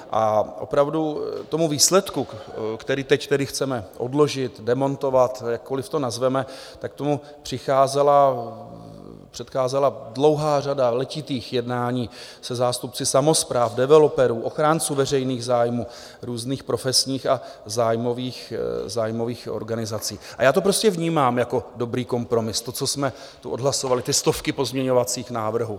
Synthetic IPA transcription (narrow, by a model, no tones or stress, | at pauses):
ʔaʔo̞̰pɾavdut̪o̞muviːslɛt̪kukt̪ɛɾiːt̪ɛct̪ɛdɪxt͡sɛmɛʔo̞̰dlo̞ʒɪt̪dɛmo̞nt̪o̞vat̪jakːo̞lɪft̪o̞nazvɛmɛ | t̪ak̚t̪o̞mu | pr̥ɪxaːzɛla | pr̥ɛt̪xaːzɛladlo̞wɦaːr̝adalɛcɪt̪iːxjɛdnaːɲiː | sɛzaːst̪up̚t͡sɪsamo̞spɾaːfdɛvɛlopɛɾuːʔo̞xɾaːnt͡suːvɛrɛjniːɣzaːjmuː | ɾuːzniːxpɾo̞fɛsɲiːxazaːjmo̞viːxzaːjmo̞viːxʔo̰ɾɡanɪzat͡siːʔajaːt̪o̞pɾo̞scɛvɲiːmaːmjako̞do̞bɾiːko̞mpɾo̞mɪst̪o̞t͡so̞smɛ | t̪uʔo̞dɦlasovalɪt̪ɪst̪o̞fkɪpo̞zmɲɛɲo̞vat͡siːxnaːvr̩ɦu